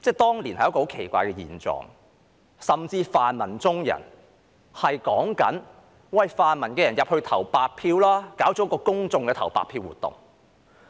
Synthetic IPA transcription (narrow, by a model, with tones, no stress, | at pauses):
t͡sɛː˥˩t̪ɔː˥ŋli˨˩nhɐ˨jkːho˨˥wkʰe˨˩jkʷa̰ː˧jkɛː˧jḭː˨˩nt͡sɔ̰ː˨˩ŋ | sɐ˨˩mt͡siː˧faː˨nmɐ˨˩nt͡sʊ˥ŋjɐ̰˨˩n | hɐ˨jkɔː˨˥ŋkɐ̰˨˥n | wɐ˨jfaː˨nmɐ˨˩nkɛː˧jɐ˨˩njɐ˨p̚hɵ˧t̪ʰɐ˨˩wpaː˧t̚pʰiː˧wlaː˥kaː˨˥wt͡sɔ˨˥kɔː˧kʊ˥ŋt͡sʊ˧ŋkɛː˧t̪ʰɐ˨˩wpa̰ː˨t̚pʰːiː˧wuː˨˩t̪ːʊ̰˨˩ŋ